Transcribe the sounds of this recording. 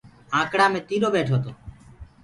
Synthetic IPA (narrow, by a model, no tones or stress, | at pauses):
ãːkɽamet̪iɾobeʈʰot̪o